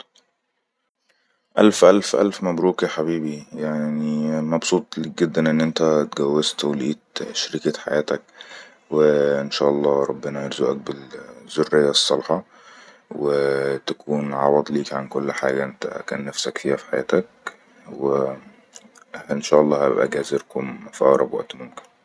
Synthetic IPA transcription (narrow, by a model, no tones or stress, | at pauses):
ʔælfʔælfʔæ̰lfmæbɾuːkiħabiːbijaʕnimɑbsˤuːt̪ˤliːɡed̪ːænʔenːʔent̪æt̪ɡæwːest̪æwliːt̪ʃɾɪket̪ħa̰jæːt̪æk̚ | wɪʔɪnʃæ̰ːʔɑlˤːɑːɾˤɑbːɪnæjɑɾzuːʔæk̚bɪlz̥orːɪjːæsˤːɑlħɑ | wet̪ækuːnʕɑwɑd̪ˤliːkʕankolːħaːɡæʔent̪æ̰kæ̰ːnːæfsækfiːhæfi̥ħajæ̰ːt̪æk̚ | we | enʃæːʔɑlˤːɑːhæ̰bʔæ̰ɡæzeɾkomfʔɑ̰ːɾˤɑbwæ̰ʔt̪momkɪ̥n